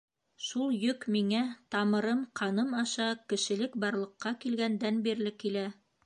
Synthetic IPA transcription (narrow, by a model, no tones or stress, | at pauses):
ʃulˠjɵkmiŋæt̪ɑmɤ̆ɾɤmqɑnɤmɑʃɑkɘ̆ʃɘ̆lɘk̚bɑɾlˠɤ̆qːɑkilɡænd̪ænbiɾlɘkilæ